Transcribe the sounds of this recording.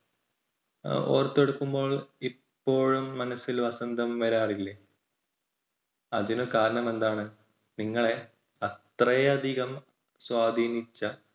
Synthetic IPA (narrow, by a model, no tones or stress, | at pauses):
o̞̰ːrt̪ːe̞ɽukːumbo̞ːɭippːo̞ːɻumːɐnɐsːilʋɐsɐnd̪ʱɐmʋɐɾaːrilːɐ | ɐ̰ðinukaːɾɐɳɐme̞nd̪aːɳɨ | niŋːɐɭe̞ | ɐt̪rɐjɐɐd̪ʱiɣɐm | swaːd̪ʱiːnit͡ɕːɐ